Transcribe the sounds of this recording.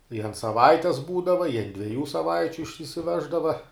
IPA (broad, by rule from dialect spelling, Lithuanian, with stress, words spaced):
ɪr ɐnt sɐˈʋɐɪtʲɛs ˈbuːdɐʋɐ ɪ ɐnt dʲʋʲiɛˈjuː sɐˈʋɐɪt͡ʃʲʊ ɪʃʲsʲɪsʲɪˈʋʲæːʒdɐʋɐ